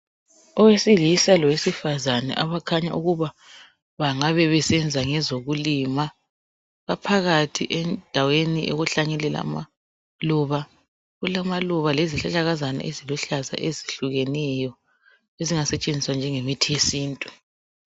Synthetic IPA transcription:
ɔwesilisalɔwesifazanɛ̰ʔaβakʰaɲa̰ʔuɣuβa | βaŋaβɛβɛsɛnd͡zʱaŋɛzoɣulima | βapʰaɣatʰḭʔɛnd̥ʱaweniʔeɣuɬaɲɛlɛla̰ma̰ | luβa | ɣulamaluβaleziɬaɬʼaɣazana̰ʔeziluɬaza̰ʔeziɬuɣɛnɛjɔ | eziŋasɛt͡ʃʼend͡zʱiswand͡ʒʱɛŋemitʰijesiːntʼu

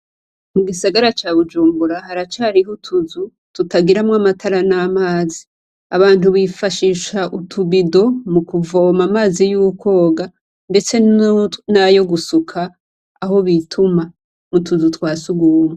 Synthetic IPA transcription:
muɡisaɡaɾat͡ʃaːβud͡ʒuːmbuɾaɦaɾat͡ʃaɾiɦutʰuzu | tutaɡiɾamŋamatʰaɾanamaːzi | aβaːn̥uβifaʃiːʃaʔutʰuβido̞mukuvo̞mamaːzijuko̞ːɡa | nde̞t͡se̞najo̞ɡusukʰaː | ho̞βitʰuma | mutuzutwaːsuɡuːme

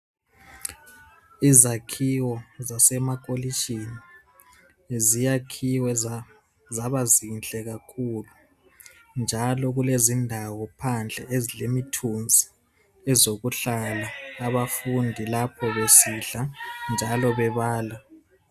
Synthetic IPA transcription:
izakʰiwɔzasɛmak̬ʼoliʃini | zijakʰiwɛ | zaβazint͡ɬʼɛɣakʰulu | nd͡ʒʱalɔɣulezindʱawɔpʰand͡ɮʱɛezilemitʰund͡zʱi̥ | ɛzoɣuɬalaːβafundʱilapʰɔβesiɬand͡ʒʱalɔβɛβaːla

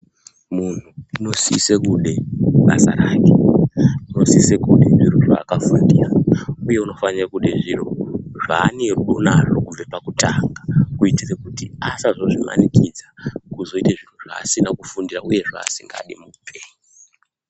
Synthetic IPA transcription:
mun̤uino̞siːsekuɗe̞ɓa̰sa̰ɾaːke | uno̞siːsekuɗeʐiroʐaːkafundiːrauje̞uno̞fanirakuɗeʐiro̞ʐaːneruɗo̞naro̞kub͡vepakutʰaŋɡakuitirekutiasaʐo̞ʐima̰nikid͡zakuzo̞iteʐin̤uʐ̥a̰ːsinakufundirauje̞ʐa̰ːsiŋɡa̰ɗimuupʰeːɲi

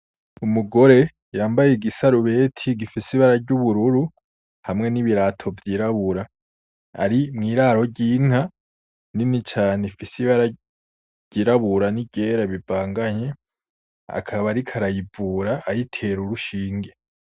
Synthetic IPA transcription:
umuɡo̞ɾe̞ | jaːmbajeɡisaɾuβe̞ːtʰiɡifisiβaɾaɾɟuβuɾuɾu | hamŋe̞niβiɾatʰo̞vjiːɾaβuɾa | a̰ɾimŋiːɾaɾo̞ɾɟiːŋ̥a | ninit͡ʃaːnefisiβaɾḁ | ɟ̥iɾaβuɾaniɟe̞ːɾaβivaːŋɡaɲe̞ | a̰kʰaβaɾikʰaɾajivuɾaːjitʰe̞ɾuɾuʃiːŋɡe̞

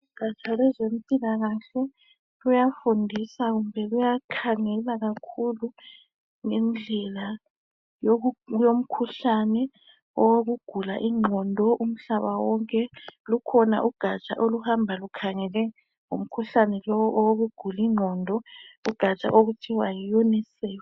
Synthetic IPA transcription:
uɡ̥ʱat͡ʃʼalɛzempʼilaɣaɬɛ | lujafundʱisaɣumbʱɛɣujakʰaŋɛlaɣakʰulu | ŋɛnd͡ɮʱɛla | jojom̩kʰuɬanɛ | ɔwoɣuɡ̥ʱula̰ʔiŋ͡ǃʱɔndʱɔʔum̩ɬaβawɔŋkʼɛlukʰɔna̰ʔuɡ̥ʱat͡ʃʼa̰ʔoluhambʱalukʰaŋɛlɛ | ŋṵm̩kʰuɬanɛlɔwɔʔɔwoɣuɡ̥ʱuliŋ͡ǃʱɔndʱɔuɡ̥ʱat͡ʃʼa̰ʔoɣutʰiwajijɔnisɛːjɔ

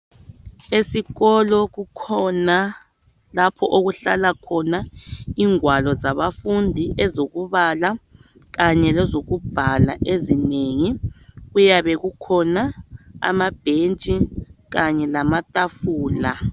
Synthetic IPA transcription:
esiɣɔlɔɣukʰɔna | lapʰɔʔoɣuɬa̰lakʰɔnaiːŋwalɔzaβafundʱiʔɛzoɣuβala | ɣaɲɛlɛzoɣub̥ʱala̰ʔezineŋiɣujaβɛɣukʰɔnaa̰mab̥ʱent͡ʃʼiɣaɲɛlamatʼafuːla

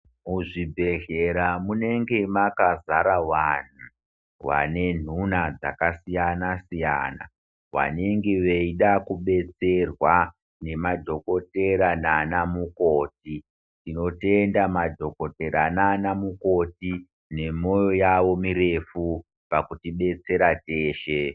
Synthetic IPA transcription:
muʐibʱe̞ɮe̞ɾamune̞ŋɡe̞makazaɾawan̤u | wa̰ne̞n̤unad͡za̰kasijanasija̰na̰ | ʋa̰ne̞ŋɡe̞ʋeiɗakuɓe̞t͡se̞rwa | ne̞mad͡ʒo̞ko̞te̞ɾananamukoːti | tino̞te̞ndamad͡ʒo̞ko̞te̞ɾananamuko̞ti | ne̞mo̞jo̞jaʋo̞miɾe̞fu | pakutiɓe̞t͡se̞ɾate̞ːʃe

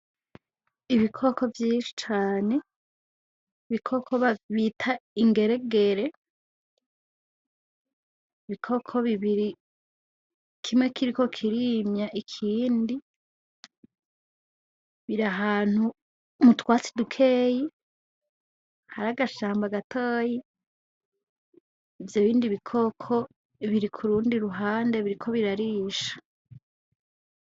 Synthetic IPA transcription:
iβikʰo̞kʰo̞vjiːʃi̥t͡ʃaːne̞ | iβikʰo̞kʰoβaβitʰaiŋɡe̞ɾe̞ɡe̞ɾe̞ | iβikʰo̞kʰo̞βiβiɾi | kʰimŋe̞kʰiɾiko̞kʰiɾimɲaʔikʰiːndi | βiɾaɦaːn̥hu | mutwaːt͡si̥dukʰeːji | haɾaɡaʃaːmbaɡatʰoːji | vjoβiːndiβikʰokʰo̞ | iβiɾikʰuɾuːndiɾuɦaːnde̞βiɾikʰo̞βiɾaɾiːʃḁ

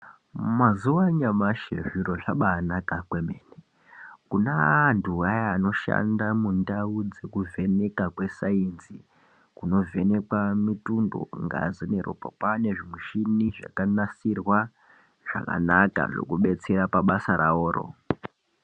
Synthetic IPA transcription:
mazuwaɲamaʃḛʐiɾo̞ʐaɓaːnakakwemeːne | kunanduajaːno̞ʃa̰ndamundaud͡ze̞kuve̞ne̞kakwe̞sainzi | kuno̞ve̞ne̞kwamitundo̰ŋɡa̰zonero̰popane̞ʐimiʃiniʐa̰kanasirwa | ʐ̥a̰ka̰naka̰ʐe̞̰kuɓe̞t͡se̞ɾapaɓasaɾa̰oːɾo̰

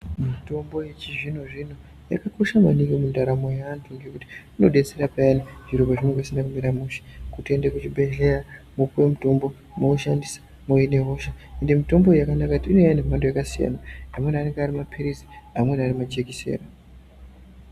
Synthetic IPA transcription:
mito̞mbo̞je̞t͡ʃiʐino̞ʐino | ja̰kako̞ʃama̰niŋɡimundaɾamo̞jeantʰuŋɡe̞kuti̥ino̞ɗe̞t͡seɾapajaniʐiɾopaʐineŋɡasindakumiɾamuʃe̥kutiendekut͡ʃibʱe̞ɮe̞ramupwemuto̞mbo̞ | mokoʃandisḁ | mojine̞ɦo̞ʃaende̞mito̞mbo̞jakanakakutiinojanemandojakasija̰naamwenaneŋɡeaɾimapʰiɾiziamwe̞narimad͡ʒekisḛːra

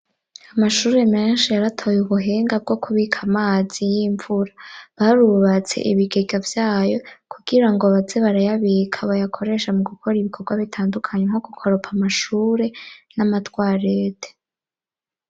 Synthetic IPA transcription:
amaʃuːɾe̞me̞ːnʃijaɾatʰo̞juβuɦe̞ːŋɡab̚ɡo̞kʰuβikʰamaːz̥ijiːɱvuɾaβaɾuβat͡se̞̰ʔḭβiɡeɡavjaːjo̞kʰuɡ̥iɾaŋɡo̞βazeβaɾajaβikʰaβajakʰo̞ɾe̞ʃamuɡukʰo̞ɾiβikʰo̞ɾɡwaβitʰaːndukʰaɲeŋho̞ɡukʰo̞ɾo̞pʰamaʃuːɾe̞namatwaːɾeːte̥

